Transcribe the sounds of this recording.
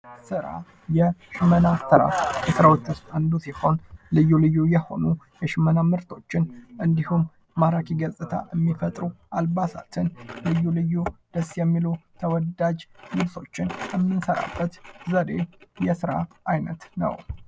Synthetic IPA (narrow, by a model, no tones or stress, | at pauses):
sɨɾa̰ | jɛʃɪmənat̪ʰəɾa̰fjɛsɨɾawot͡ʃ̪ːɨst̪ʼand̪usiho̞nlɨjːulɨjːujɛho̞̰nu | jɛʃɪmənamɨɾt̪ʰo̞t͡ʃːɪnʔɨnd̪ihumː | aɾakʰiɡəsʼɨt̪ʰa̰ʔəmːifət̪ʼɾuʔalbasa̰t̪ʰɨnlɨjːulɨjːud̪̥əsːjɛmːilut̪ʰəwɔd̪ad͡ʒlɨβso̞t͡ʃːɪnjɛmːɨnsəɾa̰bːət̪zəɾe̞jɛsɨɾa̰ʔajnət̪nə̰w